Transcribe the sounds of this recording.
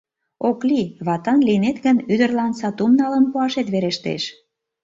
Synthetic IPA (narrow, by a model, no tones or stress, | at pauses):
okliβɑt̪ɑnlinet̪ɣənyd̪ərlɑnsɑt̪umnɑləmpuɑʃet̪βeɾeʃt̪ḛʃ